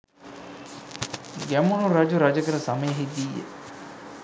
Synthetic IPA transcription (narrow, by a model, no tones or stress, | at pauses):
ɡæmunuɾad͡ʒuɾad͡ʒəkəɾəsaməjəɦid̪ijḛ